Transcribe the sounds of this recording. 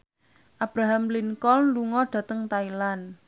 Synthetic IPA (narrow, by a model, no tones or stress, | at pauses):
ʔab̥ɾaɦamliŋkɔlluŋɔɖ̥ä̤t̪əŋt̪ailan